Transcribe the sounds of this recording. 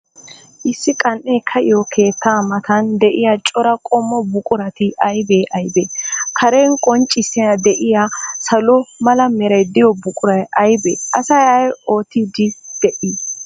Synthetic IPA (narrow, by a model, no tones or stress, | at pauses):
ʔɪsːɪkʼɐnʔeːkʰɐʔɪjokʰe̞ːt̪ːaːmɐt̪ɐnd̪ɛʔɪjat͡ʃʼɔɾɐkʼɔmːɔbʊkʼʊɾɐt̪ɪʔɐjbeːʔɐjbeːkʰɐɾeːnkʼɔnt͡ʃʼːɪsːɛjɐd̪ɛʔɪjasɐlɔmɐlɐmɛɾɐjd̪ɪjɔbʊkʼʊɾɐjɐjbḛːʔɐsɐjɐjoːt̪ːid̪ɪd̪̥ɛʔɪ